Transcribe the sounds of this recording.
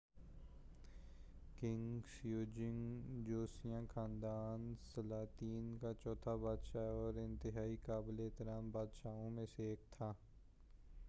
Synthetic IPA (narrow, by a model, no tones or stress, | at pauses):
kɪ̃ŋɡsjoːd͡ʒɪ̃ŋd͡ʒoːsijãːkʰãːnd̪aːnsəlaːt̪iːnkat͡ʃɔːt̪ʰabaːd̪ʃaːɔːɾɪ̃nt̪ɪɦaːikaːbleːt̪ɪɾaːmbaːd̪ʃaːõmẽseeːk̚t̪ʰaː